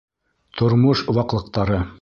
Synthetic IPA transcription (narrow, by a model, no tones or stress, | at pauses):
t̪ʰŏɾmoʃ̆wɑqlˠɤ̆q̚t̪ɑɾɤ